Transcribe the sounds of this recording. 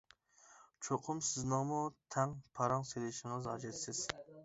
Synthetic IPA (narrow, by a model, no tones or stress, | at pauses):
t͡ʃʰoqʰʊmsɪznɨŋmut̪ʰɛŋpʰɑɾɑŋselɪʃɪŋɨzɑd͡ʒɛt̪sɪz̥